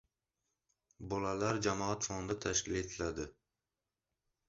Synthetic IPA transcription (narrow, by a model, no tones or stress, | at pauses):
bɒlalaɾd͡ʒamɒat̪fɒnd̪at̪ʰaʃkʲɪle̞t̪ʰɪlad̪ɪ